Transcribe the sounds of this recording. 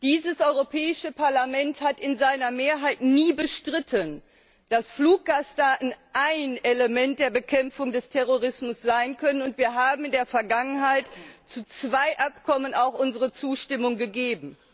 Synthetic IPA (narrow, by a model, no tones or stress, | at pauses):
d̥iːzəsʔɔʏʁopʰɛːɪʃəpaɐlamɛnthatɪnzaɪnɐmeːɐɦaɪtniːbəʃtʁ̥ɪtʰən | d̥asfluːk̚ɡ̥aːstaːtn̩ʔaɪneləmɛnt̚d̥eːɐbəkʰɛmfʊŋdɛstʰɛʁoʁɪsmʊsz̥aɪnkʰœnənʊntv̥iːɐɦaːbm̩ɪndeːɐfɛɐɡaŋənɦaɪtt͡sut͡sv̥aɪʔapkʰɔmənaʊxʔʊnzəʁət͡suːʃtɪmʊŋɡəɡeːbm̩